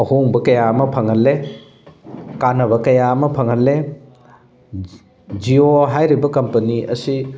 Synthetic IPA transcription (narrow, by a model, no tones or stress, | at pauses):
ɐhoŋbɐkɐjamɐpʰɐŋɦɐlːe | kanɐβɐkɐjamɐpʰɐŋɐlːe | d͡ʒioɦajɾibɐkɐmpɐniʔɐ̰si